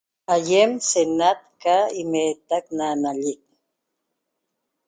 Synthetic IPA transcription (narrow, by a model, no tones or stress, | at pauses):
ajemsenat̪̚kaimeːt̪aknanaʎik̚